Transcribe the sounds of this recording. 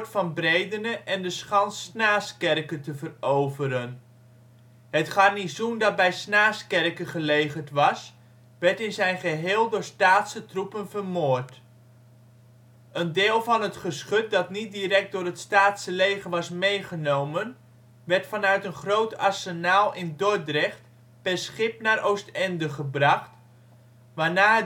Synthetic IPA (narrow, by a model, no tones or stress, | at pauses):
tfɑnbrejdənəʔɛndəsχɑnsnaːskɛrkətəvərowvəɾən | ɦətχɑrnizundɑt̚bɛjsnaːskɛrkəχəlejχərtʋɑs | ʋɛɹtɪnzɛjnχəɦɪːlˠdʊːɹstaːtsətrupənvərmoːɹt | ʔəndɪːlˠvɑnətχəsχɵt̚dɑtnit̚diɾɛk̚t̚dʊːrətstaːtsəlejχənʋɑsmejχənowmən | ʋɛɹtfɑnœɥtənχrowtaɹsənaːlˠʔɪndodrɛχt | pɛrsχɪpnaːɾʔowstɛndəχəbrɑχt | ʋaːnaː